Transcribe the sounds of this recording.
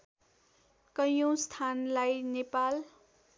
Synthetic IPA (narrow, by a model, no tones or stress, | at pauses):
kʌjõst̪ʰanlajnepal